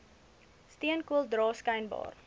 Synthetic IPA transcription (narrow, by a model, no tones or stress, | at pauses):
stiənkuəlˠdrɑːskəjnbɑ̰ːr